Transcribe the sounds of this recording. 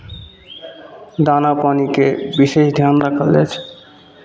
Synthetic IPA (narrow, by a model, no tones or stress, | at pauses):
d̪anapanikebiʃeʃd̪ʱjand̪akʰalet͡ɕʰ